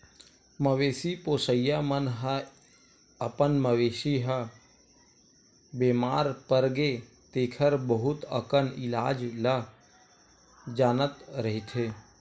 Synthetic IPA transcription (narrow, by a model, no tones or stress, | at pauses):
məʋeːsipoːsəjamənɦə | əpənməʋeːsiɦə | beːmaːɾpəɾɡe | t̪eːkʰəɾbəɦʊt̪ə̰kənɪlaːd͡ʒla | d͡ʒaːnət̪ɾəɦit̪ʰeː